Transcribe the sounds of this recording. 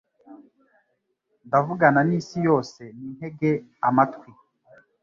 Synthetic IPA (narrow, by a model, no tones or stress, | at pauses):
ndavuɡananiːsijo̞ːse̞ninhe̞ɡeamatkwi